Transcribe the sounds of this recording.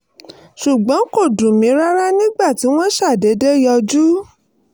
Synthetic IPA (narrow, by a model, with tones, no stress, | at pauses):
ʃu˨ɡ͡bɔ̃˨˦ko˦˨dũ˨mĩ˨˦ɾa˦ɾa˦nĩ˦ɡ͡ba˦˨ti˨˦w̃ɔ̃˦ʃa˦˨de˨˦de˦jɔ˧d͡ʒu˦